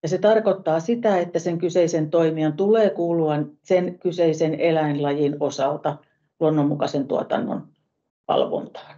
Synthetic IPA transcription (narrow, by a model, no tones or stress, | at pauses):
jɑset̪ɑrkot̪ːɑːsit̪æet̪ːæseŋkyseisent̪oimiɑnt̪uleːkuːluɑnsenkyseisenelæinlɑjinosɑlt̪ɑ | luonːommːukɑsent̪uɑt̪ɑ̰nːo̰n | ʋɑ̰lʋo̰nt̪ɑ̥ːn